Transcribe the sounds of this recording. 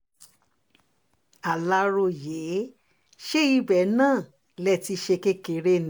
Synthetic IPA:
a˨la˧˦ɾo˧˨je˨˦ | ʃe˦i˧bɛ˨˦nãː˦˨ | lɛ˦˨ti˧ʃe˧ke˦ke˧˨ɾe˧ñ˨

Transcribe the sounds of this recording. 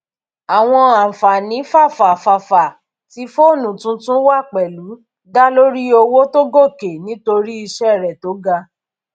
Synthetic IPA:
a˨w̃ɔ̃˧a˨fa˨nĩ˨˦fa˦˨fa˨fa˨fa˨ | ti˨˦fo˦˨nũ˨tũ˧tũ˦wa˦˨k͡pɛ˨lu˨˦ | da˦lo˦ɾi˦o˧wo˦to˦ɡo˦˨ke˨nĩ˨˦to˧ɾi˦i˧ʃɛ˦˨ɾɛ˨to˨˦ɡa˧

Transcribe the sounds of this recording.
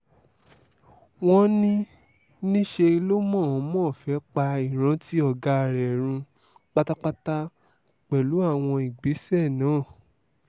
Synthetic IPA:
w̃ɔ̃˦nĩ˦ | nĩ˦ʃe˧i˧lo˦mɔ̃˦˨ɔ̃˨˧mɔ̃˦˨fɛ˨˦k͡pa˧i˨ɾ̃ã˨˧˦ti˦ɔ˦˨ɡa˧ɾɛ˨ɾ̃ũ˧ | k͡pa˧ta˧k͡pa˧ta˧ | k͡pɛ˨lu˨˦a˦˨w̃ɔ̃˧i˨ɡ͡bi˨˦sɛ˦˨nãː˨˦˨

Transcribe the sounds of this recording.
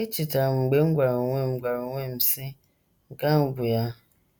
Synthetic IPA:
e˦t͡ʃi˨ta˨ŋ͡m̩˨ɡ͡be˦ŋ͡m̩˦ɡʷa˨ɾo˨ŋʷe˦˨m̩˨ɡʷa˨ɾo˨ŋʷe˦˨m̩˨si˦ | ŋ̩˨ka˦nʊ˦bʊ˨ja˦

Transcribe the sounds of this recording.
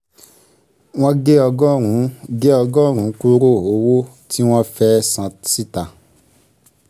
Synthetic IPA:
w̃ɔ̃˦ɡe˦ɔ˧ɡɔ˦ɾ̃ũ˨˦ɡe˦ɔ˧ɡɔ˦ɾ̃ũ˨˦ku˧ɾo˦˨o˨˦wo˦ | ti˦w̃ɔ̃˦fɛ˦sã˧si˦ta˨

